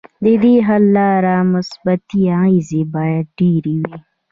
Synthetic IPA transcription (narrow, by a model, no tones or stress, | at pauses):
d̪id̪iːɦɐlːaːɾaːmusbɐt̪iãizibaːjɐɖiːɾiwi